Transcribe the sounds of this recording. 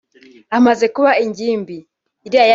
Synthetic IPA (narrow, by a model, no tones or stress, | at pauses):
amazɛkuwaiɲɟimbi | idiaja